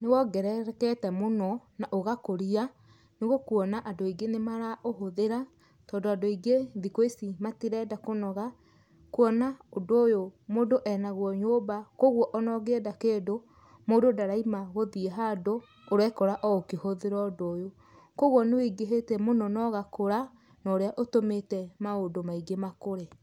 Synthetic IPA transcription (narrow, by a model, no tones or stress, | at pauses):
newɔɡɛɾɛɾkɛtɛmonɔnaʔoɣakoɾia | neɣokuɔnaʔadoiɡenemaɾaʔoɦoðeɾa | tɔːndoadoiɡeðikoisimatiɾɛːdakonɔɣa | kuɔnaodoːjomoːndoʔɛnaɣwɔɲobakoɣwɔʔɔnɔɣeːdakeːdo | moːdodaɾaimaɣoðiɛɦadoː | ɾwɛkɔɾaʔɔokehoðeɾɔdoːjo | koɣwɔneweɡeɦetɛmonɔnɔɣakoɾa | nɔɾeaʔotometɛmaodomaiɡemakoɾe